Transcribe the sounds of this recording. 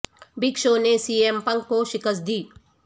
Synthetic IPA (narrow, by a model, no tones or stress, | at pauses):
bikʃoːnesiːempɐŋkkoʃɪkəsd̪iː